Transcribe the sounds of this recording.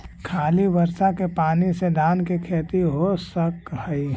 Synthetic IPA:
kʰaːliʋɐɾsakepaːnised̪aːnkekʰeːt̪iɦosəkɦəi

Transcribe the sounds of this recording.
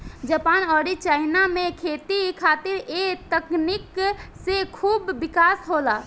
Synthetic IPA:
d͡ʒəpaːnɔːɾit͡ʃaːɪnamẽkʰeːt̪ikʰaːt̪ɪɾet̪əkniksekʰuːbːɪkaːsɦoːla

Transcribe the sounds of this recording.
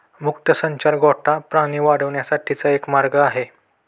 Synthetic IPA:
mukt̪əsəɲt͡ɕaɾɡʱɔʈʰapɾãɽ̃iʋaɽəʋɳjasaʈʰit͡saekmaɾɡəaɦe

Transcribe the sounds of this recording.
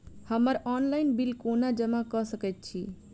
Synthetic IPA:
həməɾɔnlaɪnbilkonad͡ʒəmakəsəkɛt̪̚t͡ʃʰi

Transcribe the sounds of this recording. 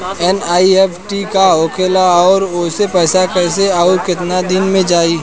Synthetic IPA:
ɛnaːieːpʰʈikaɦoːkʰeːlaɔːɾʊsepɛːsakəɾseaukɪt̪nad̪ɪnmẽd͡ʒaːi

